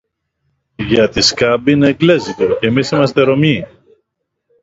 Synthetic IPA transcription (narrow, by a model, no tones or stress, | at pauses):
ʝɐt̪iskɐbineːkle̞zit̪oceːmisimɐst̪e̞ɾo̞mi